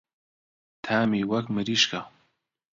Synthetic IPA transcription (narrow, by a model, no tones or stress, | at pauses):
t̪ʰaːmiwɐkmɨɾiːʃkʰa